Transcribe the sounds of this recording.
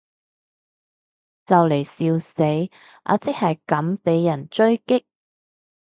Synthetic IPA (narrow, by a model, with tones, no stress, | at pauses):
t͡sɐ˨wle˨˩jsiː˧wse˨˥j | ʔa̰ː˨˧t͡sɪ˥k̚hɐ˨jkɐ˨˥mpe˨˥jːɐ˨˩nt͡ʃɵ˥ɥkɪ˥k̚